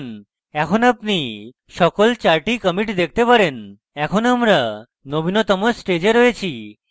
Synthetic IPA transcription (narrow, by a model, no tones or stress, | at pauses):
n | ɛkʰonapni | ʃɔkolt͡ɕaɾʈikəmiʈd̪ek̚ʰt̪epaɾen | ɛkʰonamɾa | nobinot̪ɔmoɾsʈed͡ʑeɾɔjet͡ɕʰi